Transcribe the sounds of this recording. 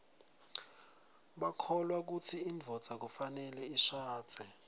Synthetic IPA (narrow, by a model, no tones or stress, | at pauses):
ɓakʰɔlwak̬utʰiːɱvʱɔ̥z̥ʱak̬ufanɛlɛiʃḁːd͡z̥ʱɛ